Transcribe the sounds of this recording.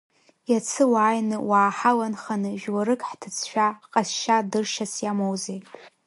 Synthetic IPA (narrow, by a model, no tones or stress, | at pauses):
jat͡sʰɨwaːjnɨwaːħalanχanɨʒᶣwaɾɨkʼħtʰɨt͡sʰʃʷᶣaqʼasʃadɨrʃasjamowzej